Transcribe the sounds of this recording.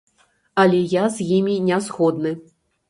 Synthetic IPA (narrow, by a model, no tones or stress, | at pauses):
ɐlʲɛjazʲjimʲinʲazɣɔd̪nɨ